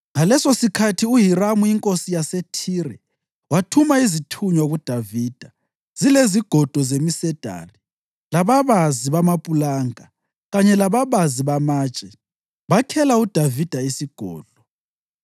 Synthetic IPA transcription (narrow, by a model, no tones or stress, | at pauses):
ŋalɛsosikʰatʰiuɦiramuiŋkʼosijasetʰiːɾɛ | watʰumaizitʰuɲwaɣud̥ʱaviːd̥ʱa | z̥ileziɡ̥ʱɔd̥ʱɔzemisɛd̥ʱa̰ri | laβaβaziβamapʼulaːŋa | ɣaɲɛlaβaβaziβamaːt͡ʃʼɛ | βakʰɛlaud̥ʱavid̥ʱaisiɡ̥ʱɔ̰ːɮɔ